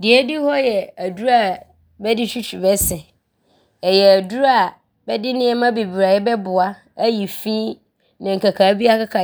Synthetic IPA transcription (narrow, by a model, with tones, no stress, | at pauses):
dɪ˨ɛ˦di˦hɔ˦jɛ˨æ˨du˦ɾa˨ | bɛ˦dɪ˦ɕᶣi˦t͡ɕʰᶣi˨bɛ˦sɛ˨ | ɛ˨jɛ˨æ˨du˦ɾa˨ | bɛ˦dɪ˦nɪ̃˦ɛ˦mã˦be˨bi˨ɾa˨jɛ˦bɛ˦bʊ˨a˦ | æ˦ji˨fĩ˦ | nã˨ŋ̩˨kʰa˨kʰa˨˦bi˦a˦kʰa˦kʰa˨